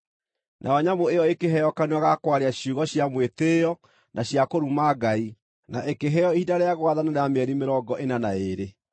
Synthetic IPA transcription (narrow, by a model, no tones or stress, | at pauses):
nʔa̰ɔɲamoeɔekeɦɛjɔkaneaɣakwaɾeaɕjuɣɔɕjamwetejɔ | nʔaɕjakoɾumaːɡai | naʔekeɦɛɔihidaɾeaɣwaðanaɾeameɛɾimeɾɔɡɔʔenanaeɾe